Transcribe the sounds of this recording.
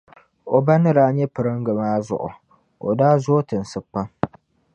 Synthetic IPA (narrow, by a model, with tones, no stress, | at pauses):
o˨ba˦nɨ˦ɾaː˦ɲɛ˦pɨ˨ɾɨ˦ŋɡɨ˨maː˦zʊ̰˨ʔʊ̰˨ | o̰˨daː˦zo˦tɨ˨n̩˨sɨ˨pːa˦